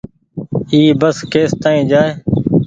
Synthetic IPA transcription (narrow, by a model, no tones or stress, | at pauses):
iːbəskeːst̪aːĩːd͡ʒaːeː